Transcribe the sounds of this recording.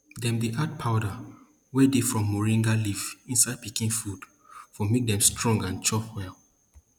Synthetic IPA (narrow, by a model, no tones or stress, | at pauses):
dɛ̃mdiʔad̚pʰaʊda | wɛdefɹɔ̃mːɔɹĩŋɡalivĩnsaɪd̚pikĩnfud̥ | fɔmek̚d̪ɛ̃mstɹɔ̃ŋɡãnt͡ʃɔfwɛlˠ